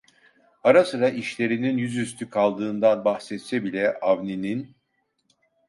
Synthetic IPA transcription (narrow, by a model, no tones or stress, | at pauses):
aɾasɯɾaʔiʃlʲe̞ɾininjyzys̬t̪ʰykʰalˠd̪ɯːnd̪anbaxsɛt̪sɛbilʲɛʔavninin